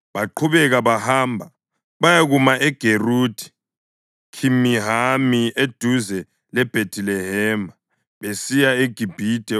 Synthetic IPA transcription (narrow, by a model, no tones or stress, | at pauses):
βaǃʰuβɛɣaβahaːmbʱa | βajaɣumaʔɛɡ̥ʱeruːdʰʱi̥ | kʰimiɦamied̥ʱuzɛ | lɛb̥ʱetilɛɦɛːma | βesijaeɡ̥ʱib̥ʱid̥ʱɛ